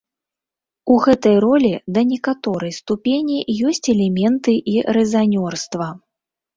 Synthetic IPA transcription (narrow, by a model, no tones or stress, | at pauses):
uɣɛt̪ɐjrɔlʲid̪ɐnʲɛkat̪ɔɾɐjst̪upʲenʲijɔsʲt͡sʲɛlʲɛmʲɛnt̪ɨʔiɾɛzanʲɔrst̪vɐ